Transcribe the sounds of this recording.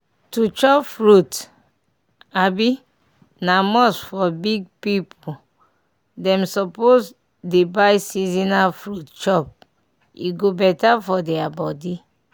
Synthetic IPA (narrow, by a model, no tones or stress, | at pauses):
tut͡ʃɔpfɹut | abi | namɔsfɔbiɡ̚pipʰu | dɛ̃msɔpos | debajsizinafɹutt͡ʃɔp̚ | ḭɡobɛtafɔdɛabɔdi